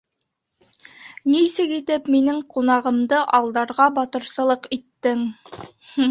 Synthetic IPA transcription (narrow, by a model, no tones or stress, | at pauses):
nisɘkit̪ɘpminɘŋqunɑʁɤ̆md̪ɤʔɑlˠd̪ɑɾʁɑbɑt̪ɤ̆ɾsɤ̆lˠɤqit̪ːɘŋ | h